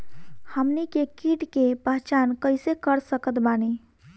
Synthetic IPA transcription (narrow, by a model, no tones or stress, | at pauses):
həmnikekiʈkepəɦt͡ʃankəɪsekəɾsəkət̪bani